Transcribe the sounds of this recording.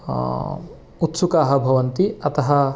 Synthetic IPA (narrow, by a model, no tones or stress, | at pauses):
ut̪sukaːɦɐbʱɐʋɐnt̪iɐt̪ɐɦɐ